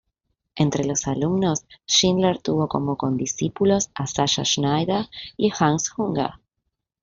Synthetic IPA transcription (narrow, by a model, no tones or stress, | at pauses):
e̞nt̪ɾe̞lo̞salumno̞sʃinleɾt̪uβo̞ko̞̰mo̞ko̞nd̪isipulo̞sasaʃa̰ʃnajðaiaxansxuŋɡa̰